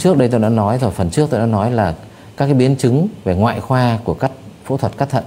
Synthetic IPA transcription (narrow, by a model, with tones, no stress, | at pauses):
t͡ɕɨ˦˥ək̚ɗə˧jt̪o˧jɗa̰ː˧˥nɔ˨˦jzo˧˨˩jfə˨˩nt͡ɕɨ˦˥ək̚t̪oː˧jɗa̰ː˧˥nɔ˨˦jlaː˨˩ | kaː˦˥k̚ːaː˨˦jɓi˨˦ənt͡ɕɨ˨˦ŋve˨˩ŋwa̰ː˧˨jxwaː˧ku˧˩əkaː˦˥k̚fṵ˧˥t̪ʰwə˨˩t̚kaː˦˥kt̪ʰə˧˨n